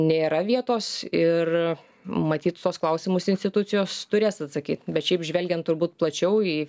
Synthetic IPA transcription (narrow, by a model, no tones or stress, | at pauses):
nʲeːɾɐʋʲiɛt̪oːsɪr | mɐt̪ʲiːt̪t̪oɔːsklˠɐʊsʲɪmʊsɪnʲsʲt̪ʲɪt̪ʊt͡sʲɪjoːst̪ʊɾʲeːsɐt̪sɐkʲiːt̪bʲɛt̪ʃʲɛɪpʒʲʋʲɛlʲɡʲɛnt̪ʊɾbuːt̪̚plˠɐt͡ʃʲɛʊiː